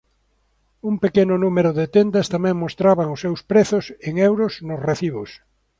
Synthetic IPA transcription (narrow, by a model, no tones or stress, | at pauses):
umpekenʊnumeɾʊðet̪end̪ast̪amɛ̃ŋmost̪ɾaβaŋʊsːewspɾeθʊseŋewɾosnʊsreθiβ̞os